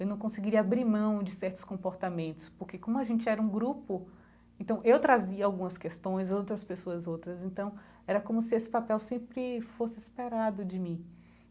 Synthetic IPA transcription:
ewnɐ̃w̃kõsɪɡiɾiɐabɾimɐ̃w̃d͡ʒɪsɛɾt̪ʊ̥skõpoɾt̪amẽnt̪ʊ̥spoɾkekõmʊaʒẽnt͡ʃɪɛɾɐũɡɾupʊ | ẽnt̪ɐ̃w̃ʔewt̪ɾaziɐawɡũmɐskest̪õj̃zowt̪ɾɐspesoɐzowt̪ɾɐzẽnt̪ɐ̃w̃ | ɛɾɐkõmʊsɪesɪ̥papɛwsẽmpɾɪfosɪispeɾad̪ʊd͡ʒɪmĩ

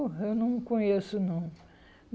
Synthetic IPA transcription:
ewnɐ̃w̃kõɲesʊnɐ̃w̃

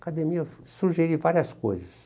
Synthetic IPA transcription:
kad̪ẽmiɐ | suʒeɾivaɾiɐsko̰jzɐs

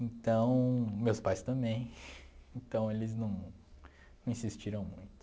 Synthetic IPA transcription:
ẽnt̪ɐ̃w̃mewspajst̪ɐ̃mbẽj̃ẽt̪ɐ̃w̃elɪznɐ̃w̃ | nɐ̃w̃ĩsist͡ʃiɾɐ̃w̃mũj̃t̪ʊ

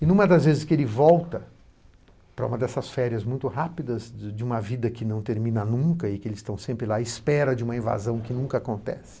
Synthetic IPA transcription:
ɪnũmɐd̪ɐzvezɪskɪelɪvɔwt̪ɐ | pɾɐũmɐd̪ɛsɐsfɛɾiɐzmũj̃t̪ʊɦapid̪ɐzd͡ʒɪũmɐvid̪ɐkɪnɐ̃w̃t̪eɾmĩnɐnũkɐɪkɪelɪst̪ɐ̃w̃sẽmpɾɪlaspɛɾɐd͡ʒɪũmɐĩva̰zɐ̃w̃kɪnũkɐakõnt̪ɛ̰sɪ̥

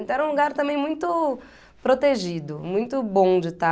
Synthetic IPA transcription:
t̪ɐ̃w̃ɛɾɐũluɡaɾt̪ɐ̃mẽj̃mũj̃t̪ʊ | pɾot̪eʒid̪ʊmũj̃t̪ʊbõd͡ʒɪt̪a

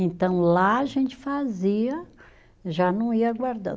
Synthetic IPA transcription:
ẽnt̪ɐ̃w̃laaʒẽnt͡ʃɪ̥faziɐ | ʒanɐ̃w̃iɐaɡwaɾd̪ɐ̰̃

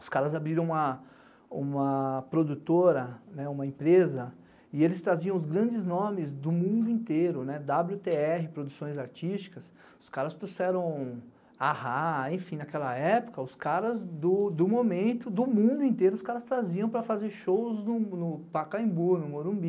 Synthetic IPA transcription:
ʊ̥skaɾɐzabɾiɾɐ̃w̃ũmɐ | ũmɐpɾod̪ut̪oɾɐnɛũmɐẽpɾezɐ | ɪelɪst̪ɾaziɐ̃w̃ʊzɡɾɐ̃nd͡ʒɪznõmɪzd̪ʊmũd̪ʊẽnt̪eɾʊnɛd̪ablut̪eɛɦɪpɾod̪usõj̃zaɾt͡ʃist͡ʃi̥kɐs | ʊskaɾɐst̪ɾusɛɾɐ̃w̃ | ahaẽj̃fĩnakɛlɐɛpʊ̥kɐʊskaɾɐzd̪ʊd̪ʊmomẽnt̪ʊd̪ʊmũd̪ʊẽnt̪eɾʊʊskaɾɐst̪ɾaziɐ̃w̃pɾɐfazeɾʃowznʊnʊpakaĩbuɾnʊmoɾũbi

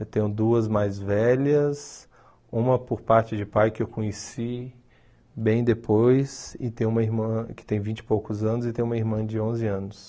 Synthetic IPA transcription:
et̪ẽjʊ̃d̪uɐzmajzvɛʎɐs | ũmɐpoɾpaɾt͡ʃɪd͡ʒɪpajkɪewkõɲesi | bẽj̃d̪epʰojsɪt̪ẽj̃ũmɐiɾmɐ̃kɪ̥t̪ẽj̃vĩnt͡ʃɪ̥powkʊzɐ̃nʊzɪt̪ẽj̃ũmɐiɾmɐ̃d͡ʒɪõzɪɐ̃nʊs

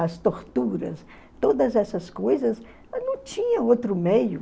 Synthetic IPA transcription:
ɐst̪oɾt̪uɾɐ̰s | t̪od̪ɐzɛsɐskojzɐs | nɐ̃w̃t͡ʃĩɲɐowt̪ɾʊmejʊ

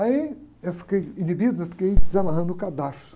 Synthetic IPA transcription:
aiewfi̥kejinibid̪uewfi̥kejd̪ɪzamaɦɐ̃nd̪ʊkad̪ast̪ʊ̥

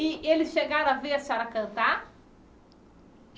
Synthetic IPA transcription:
iʔelɪsʃeɡaɾɐviɐsaɾakɐ̃nt̪a

